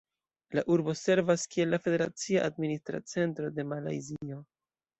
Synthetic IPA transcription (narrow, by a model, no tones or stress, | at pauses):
laʔuɾbo̞se̞ɾvaskie̞lːafe̞de̞ɾa̰t͡siaʔadministɾa̰t͡se̞ntɾo̞de̞mala̰jzio̞